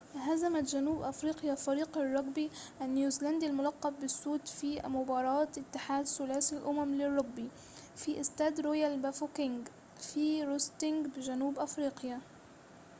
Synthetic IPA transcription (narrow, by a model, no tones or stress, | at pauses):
ɦazamat̪ʒanuːbʔafɾiːqjafɑɾiːqɑrˤːɑɡbiʔanjuːzland̪ilmʊlɑqːɑb̚bɪsːuːd̪fiːmʊbɑːɾˤɑːɪt̪ːɪħaːd̪sʊlaːsilʔʊmamlɪrˤːɑɡ̚bi | fiʔɪst̪aːd̪ɾojalbafokɪŋɡ | fiːɾʊst̪ɪŋɡbɪʒanuːbʔafɾiːqja